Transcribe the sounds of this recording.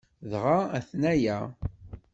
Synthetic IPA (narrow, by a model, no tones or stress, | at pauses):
ðʁaæθnæjæ